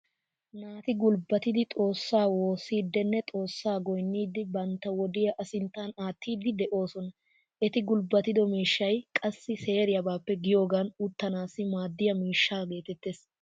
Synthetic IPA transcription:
naːt̪ɪɡʊlbɐt̪ɪd̪ɪt̪ʼo̞ːsːaːwo̞ːsiːd̪ːɛnːɛt̪ʼo̞ːsːaːɡɔjnːiːd̪ɪbɐnt̪ːɐwɔd̪ɪjɐʔɐsɪnt̪ːaːnaːt̪ːiːd̪ɪd̪ɛʔo̞ːsɔnɐ | ʔɛt̪ɪɡʊlbɐt̪ɪd̪ɔmiːʃːɐjkʼɐsːɪse̞ːɾɪjɐbaːpːɛɡɪjo̞ːɡɐnʊt̪ːɐnaːsɪmaːd̪ːɪjɐmiːʃːaːɡe̞ːt̪ɛt̪ːes

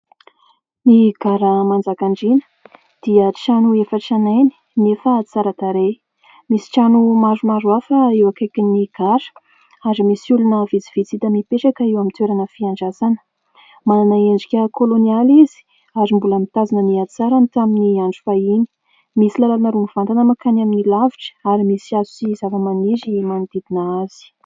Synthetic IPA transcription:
niɡ̥aɾəmand͡zakaɳɖ͡ʐinə̥ | d̪̥iət͡ʃanuefəʈ͡ʂanajni̥nefəːt͡saɾat̪aɾe | misi̥ʈ͡ʂanumazumaɾuafəewakajkʲiniɡ̥aɾə̥ | aɾimisulunəvit͡siv̥it͡sit̪əmipeʈ͡ʂakaiwamit̪weɾanəfiaɳɖ͡ʐazanə̥ | mananaeɳɖ͡ʐikʲəkʰolonializi̥ | azimbuləmit̪azinəniat͡saɾant̪aminiaɳɖ͡ʐufaini̥ | misilalalanaɾumiv̥ant̪anəmakanaminilaviʈ͡ʂə̥aɾimisiazuizavəmanizimanid̪id̪inaaz̥i̥

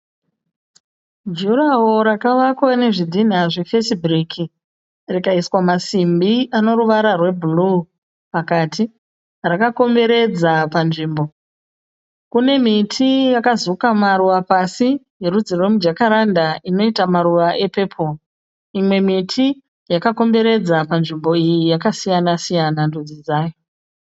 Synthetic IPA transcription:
d͡ʒuɾawoɾakaʋakwane̞ʐidʱin̤aʐefesibrikʰi | rikaiswamasimbiʔano̞ɾuʋaɾarwe̞bulu | pakaːtʰi | rakako̞mbe̞ɾe̞d͡zapanʐiːmbo | kune̞mitʰijakazukamaɾuʋapasi | je̞ɾud͡zirwe̞mud͡ʒakaɾandaʔino̞itamaɾuʋaʔe̞pe̞pʰo̞ | imwe̞mitʰi | jakako̞mbe̞ɾe̞d͡zapanʐimbo̞ijijakasijanasijanandud͡zid͡zaːjo

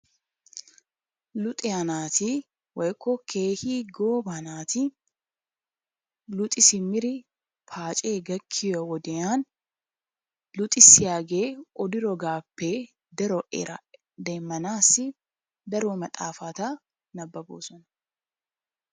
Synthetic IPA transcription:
lʊt̪ʼɪanaːt̪ɪ | wɔjkːɔkʰe̞ːhiːɡoːbanaːt̪ɪ | lʊt̪ʼɪsɪmɪɾɪ | pʰaːt͡ʃʼe̞ːɡɐkʰːɪjɔwɔd̪ɛjaːn | lʊt̪ʼɪsːɪjaːɡe̞ːʔɔd̪ɪɾɔɡaːpːe | d̪ɐɾɔʔɛ̰ɾɐ | d̪eːmːɐnaːsːɪ | d̪ɐɾɔmɐt̪ʼaːfaːt̪ɐ | nɐbːɐbo̰ːsɔnɐ

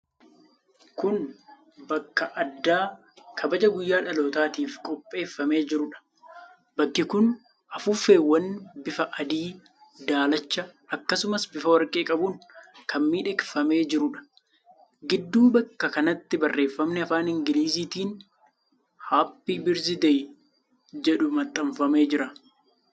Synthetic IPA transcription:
kʊn | bɐkːɐʔɐd̪ːaː | kʰɐbɐd͡ʒɐɡʊjːaːᶑɐloːt̪aːt̪iːfkʼɔpʼːe̞ːfːɐme̞ːd͡ʒɪɾʊᶑɐ̥ | bɐkːɪkʊn | ʔɐfʊfːe̞ːwːɐnbɪfɐʔɐd̪iː | d̪aːlɐt͡ʃːɐʔɐkːɐsʊmɐsbɪfɐwɐɾkʼe̞ːkʼɐbʊnkʰɐmmiːᶑɛkfɐme̞ːd͡ʒɪɾʊᶑɐ̥ | ɡɪd̪ːuːbɐkːɐkɐnɐt̪ːɪbɐrːe̞ːfːɐmnɛɐfaːnɪŋɡɪliːziːt̪iːn | haːpːiːbɪɾzɪd̪ɛj | d͡ʒɛᶑʊmɐt̪ʼːɐɱfɐme̞ːd͡ʒɪɾɐ

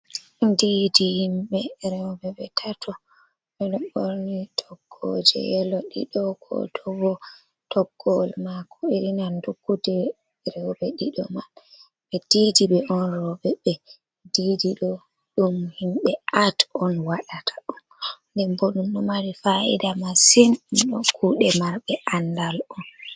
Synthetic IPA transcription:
didihimɓɛɾɛwbɛbɛtʰatʰɔ | ɓɛɗɔɓoɾnitʰɔɡ̥ːɔ̰d͡ʒɛ̰jɛlɔɗḭɗɔɡɔ̰tʰɔɡɔ | tʰɔɡːɔlmakʰɔiɾinandukːutɛ | ɾɛwbɛɗiɗɔ̰mal | ɓɛd̥idiɓɛʔɔnɾɔɓɛɓɛ | didiɗɔ | ɗumhimɓɛatɔnwaɗatʰḁɗum | ndɛmboɗumɗɔmaɾifaḭdamasinumɗɔkʰuɗɛmaɾbɛʔandalɔn

